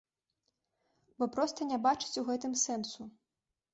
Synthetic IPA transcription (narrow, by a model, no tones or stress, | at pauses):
bɔpɾɔst̪ɐnʲabat͡ʂɨ̥t͡sʲuɣɛt̪ɨmsɛnsu